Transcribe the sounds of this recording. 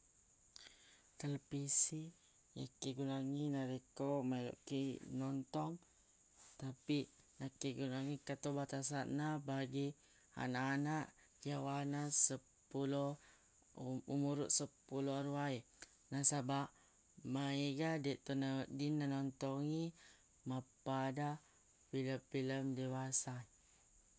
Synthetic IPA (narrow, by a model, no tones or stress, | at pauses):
t̪ələpisi | jakiɡunaŋinaɾekomailo̰ʔkinɔnt̪ɔŋ | t̪api | nakiɡunaŋikat̪obat̪asanːabaɡi | a̰naʔːnaʔ | kjawanasə | pulo | umuɾuʔsəpuloaɾuai | nasabaʔ | maiɡadiʔt̪onadinanɔnt̪ɔŋi | mapada | filəfiləmdewasa